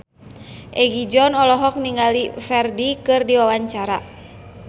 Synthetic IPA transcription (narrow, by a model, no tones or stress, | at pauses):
ʔɛɡid͡ʒɔnɔlɔɦɔk̚niŋɡalifɛrdikɨrdiwawaɲt͡ʃaɾa